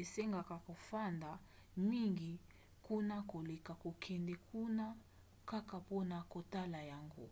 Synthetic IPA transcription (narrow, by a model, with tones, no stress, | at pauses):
e˨se˦ŋɡa˨ka˨ko˨fa˦nda˨ | mi˦ŋɡi˨ | ku˦na˦ko˨lɛ˨ka˨ko˨kʰɛ˨ndɛ˨kʰu˦na˦ | ka˦ka˨pɔ˦na˨ko˨ta˦la˨ja˦˨ŋɡṵ˨